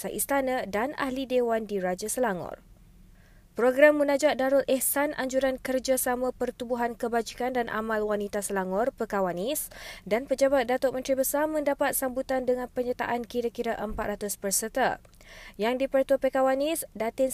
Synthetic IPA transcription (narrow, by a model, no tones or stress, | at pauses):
saʔist̪anə̃dana̰hlidewandiɾad͡ʒasəlaŋɔ̰r | pɾoɡɾamːunãd͡ʒaʔ̚daɾʊlʔɛhsanʔaɲd͡ʒuɾankərd͡ʒasamãpərt̪ubuɦankəbad͡ʒikandanʔa̰mãlwanit̪asəlaŋɔrpəkawanisdanpəd͡ʒabat̪̚dat̪ɔʔmə̃nt̪ɾibəsarmə̃ndapat̪̚sambut̪andəŋãnpəɲat̪a̰ʔankiɾakiɾaʔəmpat̪ɾʔat̪ʊspərsət̪a | jaŋdipərt̪uəpəkawanisdat̪ɪ